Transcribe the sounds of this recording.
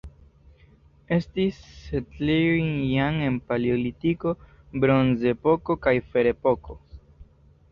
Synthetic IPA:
e̞stisːetliujjaŋe̞npaliolitiko̞ | bɾo̞nze̞po̞ko̞kajfe̞ɾe̞poko̞

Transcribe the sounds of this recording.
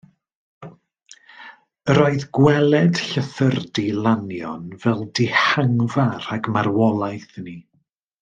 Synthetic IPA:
əɾoːɨðɡwɛlˠɛd̥ɬəθərdilˠanjɔnvɛlˠdɪhaŋvaraɡmaɾwɔlˠajθni

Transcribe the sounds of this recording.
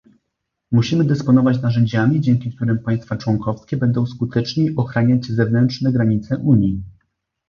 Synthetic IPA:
muɕimɘd̪ɛspɔnɔvat͡ɕnaʐɛɲd͡ʑamʲid͡ʑɛŋkʲik̚t̪uɾɘmpaj̃st̪fat͡ʂwɔŋkɔfskʲɛbɛnd̪ɔ̃w̃skut̪ɛt͡ʂɲejɔxɾaɲad͡ʑzɛvnɛntʂnɛɡɾaɲit̪sɛʔuɲji

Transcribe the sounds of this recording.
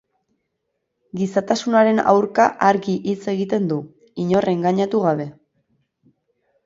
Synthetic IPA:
ɡisat̪asunaɾe̞na̰wɾkaʔaɾɣiʔit͡se̞ɣit̪e̞nd̪u | iɲo̞rʔe̞ŋɡaɲat̪uɣ̞aβ̞e̞

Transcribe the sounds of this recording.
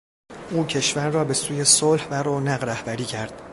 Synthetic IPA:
ʔuːcʰe̞ʃvæɾːɒːbe̞suːje̞solhvæɾoːnæɢɾæhbæɾiːcʰæɾd̪̥̚

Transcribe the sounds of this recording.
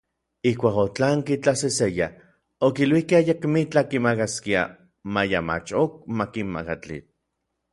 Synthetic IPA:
ihkʷaːkot͡ɬaːŋkit͡ɬaseseja | okilwihkeajakmit͡ɬakimakaskia̰ | majama̰t͡ʃok̚makimma̰kat͡ɬḭt͡ɬ

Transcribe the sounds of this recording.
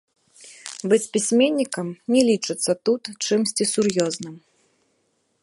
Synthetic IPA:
bɨt͡sʲpʲisʲmʲenʲːikɐmnʲɛlʲit͡ʂɨt̪sːɐt̪ut̪t͡ʂɨmsʲt͡sʲisurjɔznɨm

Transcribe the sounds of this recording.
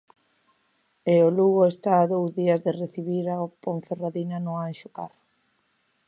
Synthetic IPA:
eoluɣʊest̪aːðowzðiɐzðereθiβiɾaopoɱferaðinanʊanʃʊkarʊ

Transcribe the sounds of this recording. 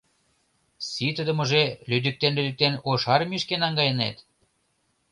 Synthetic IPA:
sit̪ə̆d̪ə̆mə̆ʒelyd̪yk̚t̪enlyd̪yk̚t̪enoʃɑɾmiʃkenɑŋɡɑjə̆nḛt̪

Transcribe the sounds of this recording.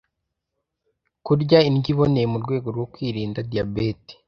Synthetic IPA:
kuɾɟainɡiβo̞nejemuɾɡwe̞ːɡo̞ɾɡwo̞kwiːɾiːndadijabeti̥

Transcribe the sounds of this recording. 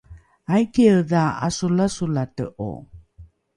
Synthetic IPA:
ajkeəðaa̰sulasulatə̰ʔo̰

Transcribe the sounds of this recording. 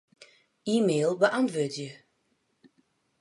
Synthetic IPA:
iːmeːlˠbəʔantʋødjə

